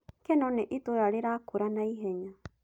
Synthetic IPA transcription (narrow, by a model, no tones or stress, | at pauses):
kenõnẽʔit̪uɾaɾeɾakuɾanaiɦeɲã